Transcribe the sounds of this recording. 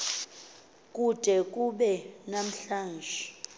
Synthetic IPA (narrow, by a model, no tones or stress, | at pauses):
k̬ʼud̥ʼʱɛk̬ʼuɓɛnam̩ɬaːnd͡ʒʱɛ